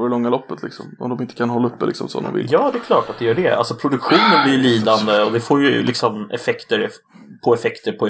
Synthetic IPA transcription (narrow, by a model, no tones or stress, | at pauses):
ɔɾlɔŋːalɔpːət̪lɪksɔ̰mɔ̰md̪ɔmɪnt̪ə̥kʰanɦɔlːaɵpːd̪ɛ̰lɪksɔmsɔ̰nd̪ɔ̰mvɪ̰ljɑːd̪ɛɛkʰlɑːʈat̪d̪ɛjœːɖɛa̰lsɔpʰɾʊd̪ɵkɧuːnənblɪjliːd̪and̪əɔd̪ɛfoːɾjɵlɪksɔmɛ̰fɛkt̪əɾ | pʰɔɛfɛkt̪əɾpʰɔ